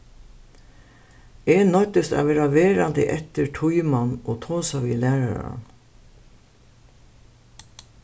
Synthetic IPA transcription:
eːnɔt̪əst̪a̰ːʋɛːɾaʋeːɾand̪əʔɛt̪əɹʈʰʊjmanʔoːt̪ʰoːsaʋiːlæːɾaɾɾa̰n

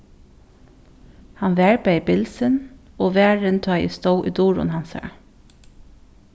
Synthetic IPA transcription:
hɑnʋæːɹbeɪbɪlsənoːʋæːɹənt̪ʰɑːʔḭːst̪oʊʔiːd̪uːɹʊ̰nhɑnsə̰ɹ

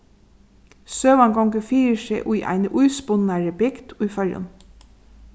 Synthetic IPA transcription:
søːʋɑŋɡɔŋɡəfiːɾəʃeɪʔuɪʔæ̰ɪnəʔʉʏspʊnɑɹəbɪɡt̪ʰʉːfœɾjɔ̰n

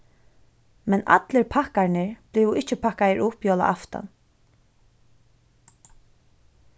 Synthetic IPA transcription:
mɛna̰t̪lɪɹpʰahkaɹnɪɹb̥lɪːwɪht͡ʃɪpʰakajəɹʊhpjoːla̰ʔaft̪a̰n

